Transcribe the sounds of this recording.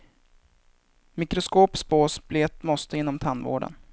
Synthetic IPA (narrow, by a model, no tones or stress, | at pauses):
mɪkɾʊskoːpspoːsbleːt̪mɔst̪əɪnːɔmt̪ʰanːvo̰ːɖə̰n